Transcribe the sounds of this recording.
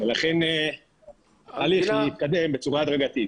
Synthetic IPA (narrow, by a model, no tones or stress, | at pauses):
velaχen | aliχit̪̚kad̪e̞mbet͡suʁaːd̪ʁaɡat̪it